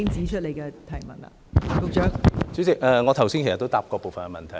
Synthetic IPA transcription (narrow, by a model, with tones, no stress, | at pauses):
ɪ˥ŋt͡siː˨˥t͡ʃʰɵ˥t̚le˨˩jkɛ˧t̪ʰɐ˨˩jmɐ˨t̚la̰ː˨˩t̪ʊ˨˧k̚t͡ʃœː˨˥ŋt͡sy˨˥t͡sɪ˨k̚ʔɛː˧ŋɔː˨˧t̪ʰɐ˨˩wsiː˥nke˨˩st̪ːo˥wt̪aː˨˥p̚kɔː˧poː˨˩fɐ˨nkɛ˧mɐ˨nt̪ʰɐ˨˩